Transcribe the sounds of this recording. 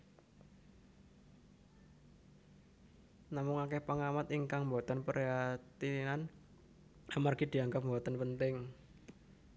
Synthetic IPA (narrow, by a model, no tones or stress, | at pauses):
namʊŋakɛhpaŋamat̪iŋkaŋmbɔt̪ənpəɾeat̪inan | amarɡ̥id̪̥i̤aŋɡap̚mbɔt̪ənpənt̪ɪŋ